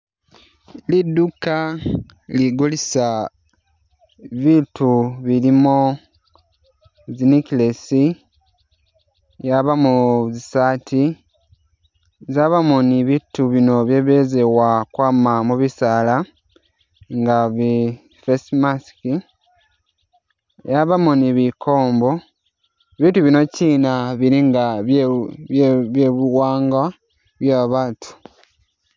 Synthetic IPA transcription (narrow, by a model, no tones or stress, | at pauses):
lidːuka | liɡulisa | βituβilimo | zinikilesi | jaβamuzisaːtʰi | zaβamuniβituβino̞βjeβeːze̞wakwaːmamuβisaːla | ŋɡaβi | fesmaski | jaβamuniβiko̞ːmbo̞ | βituβino̞ciːnaβiɾiŋɡaβ | βjeβuwaːŋɡa | βjaβaβatʰu̥